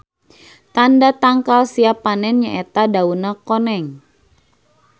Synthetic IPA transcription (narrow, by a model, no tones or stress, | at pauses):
t̪andat̪aŋkalsiapanɛnɲaʔet̪adaunakonɛŋ